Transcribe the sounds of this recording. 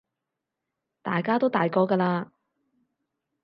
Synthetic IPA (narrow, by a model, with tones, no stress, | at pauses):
t̪a̰ː˨jkaː˥t̪o˥wt̪aː˨jkɔː˧kɐː˧laː˧